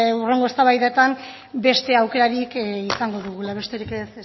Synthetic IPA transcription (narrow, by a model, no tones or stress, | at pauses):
ure̞ŋɡo̞e̞st̪aβajðet̪am | be̞st̪e̞awke̞ɾaɾikisaŋɡo̞ðuɣulaβ̞e̞st̪e̞ɾikes